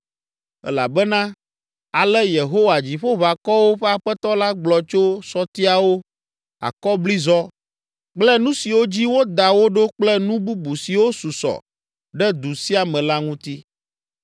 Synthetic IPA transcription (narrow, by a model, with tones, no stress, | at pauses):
ɛ̰˦la̰˨bɛ˦nã˦ | a˨lɛ˦je˨ɦo˦wa˨d͡ʑi˨ɸo˦βa˨kɔ˦wo˦ɸɛ˦a˨ɸɛ˦t̪ɔ˦la˦ɡ͡blɔ˨t͡ʃo˦sɔ˦t̪i˦a˨wo˦ | a̰˨kɔ˦bli˦zɔ˦ | k͡plɛ˦nũ˦si˨wo˦d͡ʑi˦wo˦d̪a˨wo˦ɖo˦k͡plɛ˦nũ˦bu˦bu˨si˨wo˦su˨sɔ̰˨ | ɖɛ˦d̪u˨si˦a˨mɛ̃˨la˦ŋũ˦t̪i˦